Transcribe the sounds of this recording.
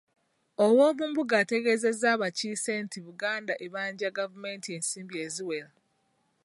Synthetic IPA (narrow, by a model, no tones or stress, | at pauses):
owo̞ːβuːmbuɡaːte̞ɡe̞ze̞zaβaciːsentiβuɡaːndaʔeβaːɲɟaɡavume̞ntie̞ːnsiːmbie̞ːziwela